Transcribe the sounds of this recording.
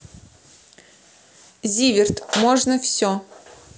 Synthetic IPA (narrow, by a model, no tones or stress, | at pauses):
zʲivʲɪrt̪moʐnəfsʲo